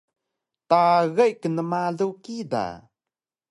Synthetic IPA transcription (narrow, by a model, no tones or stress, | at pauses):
t̪aɣəjʔkənəmalukid̪a̰